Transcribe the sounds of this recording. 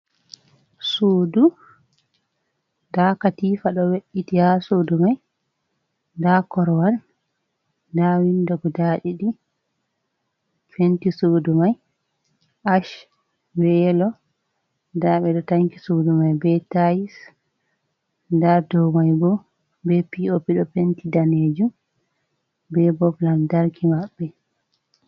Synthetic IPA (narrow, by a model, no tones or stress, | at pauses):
soːdu | dakatiːfaɗɔweʔːitihasodumaj | dakɔɾwan | dawindɔɡɔdaɗiɗi | t͡ʃwentisoːdumaj | ʔaʃ | bɛɛlɔ | daɓɛɗɔtaŋki̥sudumajbɛtajis | dadɔwmajbɔ | bɛpiopiɗɔpentidaned͡ʒum | bɛbɔblandaɾkʰimaɓːɛ